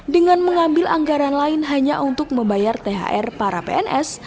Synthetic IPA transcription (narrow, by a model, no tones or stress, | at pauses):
dəŋanməŋambɪlʔa̰ŋɡaɾanlaɪnɦaɲaʔunt̪ʊk̚məmbajart̪eɦa̰ʔɛrpaɾapḛɛnʔɛs